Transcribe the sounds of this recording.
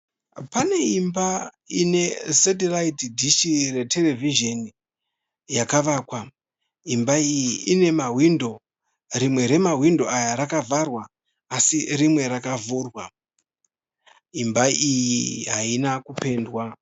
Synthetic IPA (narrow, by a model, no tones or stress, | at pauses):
pane̞imba | ine̞set̬elaitdʱiʃire̞te̞le̞viʒe̞ni | jakaʋaːkwa | imbaijiine̞maɦwindo̞ | ɾimwe̞ɾe̞maɦwindo̞ajaɾakavʱarwaː | sirimwe̞ɾakavuːrwa | imbaijiɦainakupe̞ːndwa